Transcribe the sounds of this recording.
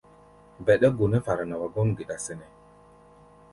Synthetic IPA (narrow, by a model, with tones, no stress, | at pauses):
bɛ˨ɗə˦ɡo˨nə˦fa˨ɾa˨na˨wa˨ɡɔ˦n˨ɡə˨ɗa˨sə˨nɛ˨